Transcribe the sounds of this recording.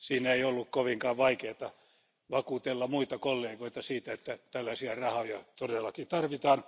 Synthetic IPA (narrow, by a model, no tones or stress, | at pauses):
siːneiolːukkoʋiŋkɑːʋʋɑikeːt̪ɑ | ʋɑkuːt̪elːɑmuit̪ɑkolːeːɡoit̪ɑsiːt̪æet̪ːæt̪ælːæsiɑrɑhojɑt̪odelːɑkit̪ɑrʋit̪ɑːn